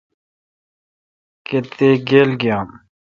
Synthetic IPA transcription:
ket̪eːɡeːlɡjaːm

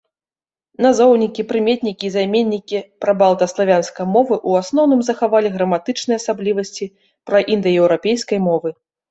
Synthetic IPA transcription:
nazɔwnʲikʲipɾɨmʲet̪̚ʲnʲikʲiːzajmʲenʲːikʲipɾɐbalˠt̪ɐslˠavʲanskɐjmɔvɨʔuasnɔwnɨmzɐxavalʲiɣɾɐmat̪ɨt͡ʂnɨjasablʲivɐsʲt͡sʲi | pɾɐʔind̪ɐjɛwɾapʲejskɐjmɔvɨ

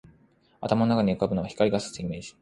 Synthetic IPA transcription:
a̰t̪amanonakaɲ̟iɯ̟kabɯ̟no̞βaçi̥kaɾʲiɡasɨ̥zɨime̞ːʑi̥

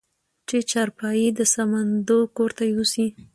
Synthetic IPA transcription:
t͡ʃet͡ʃaɾpɑjid̪əsamand̪okoɾt̪ajeusi

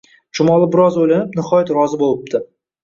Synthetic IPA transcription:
t͡ʃʰʊmɒlˠɪbɪɾɒzojlanɪpnɪχɒjat̪ɾɒzɪbolˠɪp̚d̪ɪ

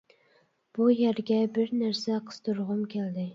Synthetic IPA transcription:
b̥ujæɾɡʲɛbɪɾnæɾsɛqʰə̥st̪uɾʁʊmkʲʰæld̪ɪ

